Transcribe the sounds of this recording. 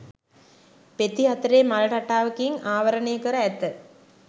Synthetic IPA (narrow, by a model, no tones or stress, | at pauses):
pet̪iɦɐt̪ɾeːmalɐʈɐʈaːʋɐkiŋaːʋɐɾɐɳejəkəɾəæt̪ːə